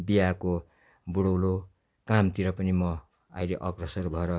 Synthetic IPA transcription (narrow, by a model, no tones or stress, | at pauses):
bijako | buɽʌwlo | kamt̪iɾʌpʌnimʌ | a̰jleʔʌɡrʌsʌrbʱʌeɾʌ